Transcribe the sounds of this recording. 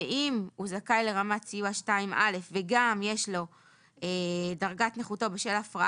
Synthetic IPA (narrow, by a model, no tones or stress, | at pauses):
imuzakajle̞ʁamat͡sijuaʃtaimʔale̞fveɡamjeʃlo̞ | edaʁɡatneχuto̞beʃe̞lafʁa